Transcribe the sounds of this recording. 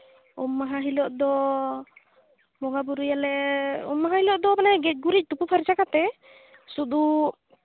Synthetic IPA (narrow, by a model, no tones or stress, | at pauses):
ṵmːaɦaɦilɔʔd̪ɔ | mɔɡabuɾujalɛṵmːaɦãhilɔʔd̪ɔmanaɡɛc̚ˀɡuɾic̚ˀt̪upupʰaɾt͡ʃakat̪ɛ | sud̪u